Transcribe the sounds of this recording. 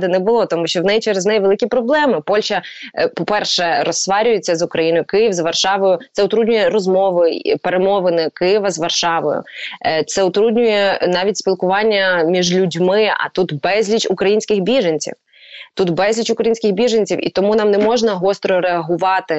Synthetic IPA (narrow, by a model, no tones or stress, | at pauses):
d̪ɪnɛbʊlˠɔt̪ɔmuʃʲt͡ʃɔwnɛjt͡ʃɛɾeznɛjʋelˠɪkʲipɾɔblˠɛmɪpɔlʲʃɐpɔpɛrʃɛɾɔsːʋɑɾʲʊjet͡sʲːɐzʊkɾɐjinojʊkɪjiwzʋɐrʃɑʋɔjʊt̪sɛʊt̪ɾudʲnʲʊjɛɾɔzmɔʋɪpeɾemɔʋɪnɪkɪjɪʋɐzʋɐrʃɑʋɔ̰jʊ̰t̪sɛʊt̪ɾudʲnʲʊjɛnɑʋʲitʲsʲpʲilˠkʊʋɑnʲːɐmʲiʒlʲʊdʲmɪɐ̰t̪ut̪bɛzʲlʲit͡ʃukɾɐjinʲsʲkɪxbʲiʒenʲt͡sʲḭw | t̪ut̪bɛzʲlʲit͡ʃʊkɾɐjinʲsʲkɪxbʲiʒenʲt͡sʲiwḭt̪ɔmunɑmnɛmɔʒnɐɦɔst̪ɾɔɾeɐɦʊʋɑt̪ɪ